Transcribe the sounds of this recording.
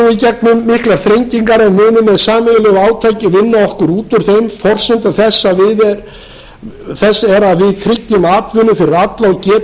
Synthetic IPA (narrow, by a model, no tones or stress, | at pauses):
uicɛknʏmːɪhklaɾ̥θɾejɲciŋkaɾɛnmʏːnʏmːɛðsaːmɪɣlɛɣaːwt̪ʰaːjcɪvɪnːaɔhkʏɾuːt̪ʏɾ̥θejmfɔr̥sɪnt̪aθɛsːavɪðɛɾ | θɛsːaɛɾaðvɪðt̪ʰɾɪcːʏmaːt̪vʏnʏfɪɾɪðat̪lawcɛː